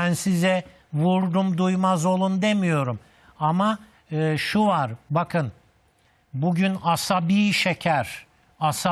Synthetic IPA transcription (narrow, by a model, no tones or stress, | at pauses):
ænsizɛ | vuɾd̪umd̪ujmazo̞lˠund̪e̞mijo̞ɾum | ama | ɯːʃuvaɾbakʰɯn | buɟynasabiːʃecʰæɾ̥ | asa